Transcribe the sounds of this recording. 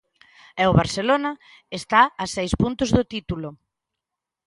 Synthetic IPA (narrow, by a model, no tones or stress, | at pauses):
ɛʊβaɾselonɐ | est̪aːsɛjspunt̪ʊzðʊt̪it̪ulʊ